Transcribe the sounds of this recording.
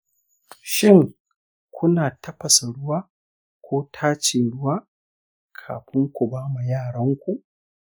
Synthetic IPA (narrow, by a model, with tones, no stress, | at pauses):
ʃɪ˦ŋ | kʷʰʊ˦naː˨tɐ˦ɸɐ˨sa˨ɽʊ˦waː˦ | kʷoː˦tʰaː˦t͡ʃeː˨ɽʊ˦waː˦ | kʰa̰ː˨ɸɪ˦ŋkʷʊ˨baː˦ma˨jaː˦˨ɽɐ˦ŋkʷu˦ʔ